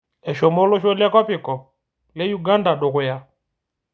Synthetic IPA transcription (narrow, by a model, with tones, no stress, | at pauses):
ɛ˨ʃɔ˨mɔ˦lɔ˦ʃɔ˦lja˦kwɔ˦pi˨kɔ˨ | lɛ˦ju˦˨ɡa˦nda˨ɗɔ˨kɔ˨ja˦